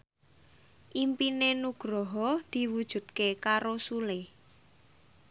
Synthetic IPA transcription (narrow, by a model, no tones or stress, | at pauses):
ʔimpinenuɡ̥ɾɔɦɔd̪̥i̤wud̥ʒ̥ṳd̪̚kekaɾosule